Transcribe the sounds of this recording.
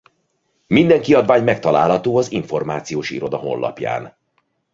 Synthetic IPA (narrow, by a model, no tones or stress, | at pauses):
mind̪ɛŋkiɒd̪vaːɲmɛk̚t̪ɒla̰ːlɦɒt̪oːɒziɱfo̞rma̰ːt̪sijoːʃḭɾo̞d̪ɒɦo̞̰nːʔɒ̰pja̰ːn